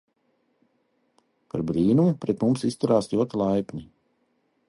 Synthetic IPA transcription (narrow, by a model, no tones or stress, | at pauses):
paɾbɾiːnumupɾɛt̪mumsist̪uɾaːslʲuɔt̪ilˠajpʲɲʲi